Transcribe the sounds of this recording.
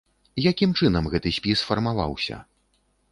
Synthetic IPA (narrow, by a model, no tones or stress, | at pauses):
jakʲimt͡ʂɨnɐmɣɛt̪ɨsʲpʲisfɐrmava̰wsʲɐ̰